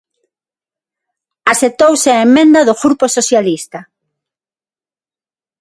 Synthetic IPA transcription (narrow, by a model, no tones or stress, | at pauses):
aset̪owsɪaemːẽnd̪ɐðʊɣɾuposoθjalist̪ɐ